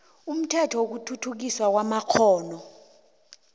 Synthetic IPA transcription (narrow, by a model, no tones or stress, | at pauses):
um̩tʰɛtʰɔwok̬utʰutʰuk̬iswak̬wamakʰɔːnɔ